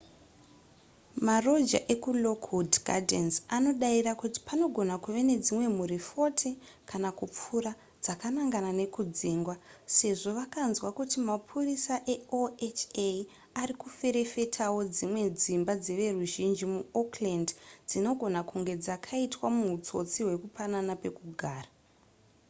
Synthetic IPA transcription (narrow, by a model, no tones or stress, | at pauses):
maro̞d͡ʒa̰ʔe̞kulo̞kudɡa̰densano̞ɗairakuti̥pano̞ɡʱo̞nakuʋe̞ne̞d͡zimwe̞muɾifo̞tʰi | kanakup͡fuɾa | d͡zakanaŋɡanane̞kud͡ziːŋɡwase̞ʐo̞ʋakanzwakutimapʰurisaʔe̞oet͡ʃe | arikufe̞ɾe̞fe̞tʰawo̞d͡zimwe̞d͡zimbad͡zeʋe̞ruʒind͡ʒimuoklendd͡zino̞ɡʱo̞nakuŋɡe̞d͡zakʰaitwamut͡so̞t͡siwe̞kupananape̞kuɡʱaːra